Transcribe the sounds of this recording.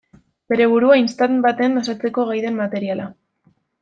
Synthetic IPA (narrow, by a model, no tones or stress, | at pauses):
b̥e̞ɾe̞β̞uɾuainst̪anbat̪e̞nd̪osat͡se̞ko̞ɣajðe̞mːat̪e̞ɾiala